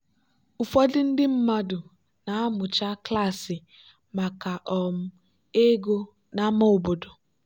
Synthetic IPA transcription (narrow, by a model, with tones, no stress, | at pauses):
ʊ˨fɔ˦dɪ˦n̩˦dɪ˦m̩˦ma˦dʊ˨ | na˨a˦mʊ˨t͡ʃa˦kla˦˨sɪ˨ | ma˨ka˨ʔɔ˨m̩˦ | e˦ɡo˦ | na˦ma˦o˨bo˨do˨